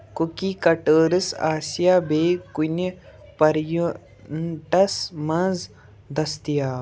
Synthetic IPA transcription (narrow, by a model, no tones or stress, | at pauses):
kukikɐʈəːɾɨsaːsjaːbeːkunɐpɐɾju | ʈɐsmɐz | d̪ɐst̪ijaː